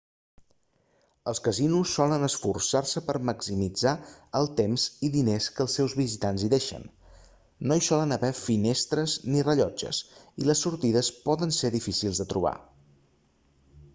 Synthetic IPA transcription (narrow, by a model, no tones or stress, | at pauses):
əlˠskəzinusːɔlənəsfursarsəpəɾməksimid͡zaəlˠt̪emziðineskəːlˠsɛwzβizit̪anziðeʃə̰nː | oisɔlənəβɛfinest̪ɾəznirəʎɔd͡ʒə̰siləsːuɾt̪iðəspɔðənseðifisilˠzðət̪ɾuβ̞a̰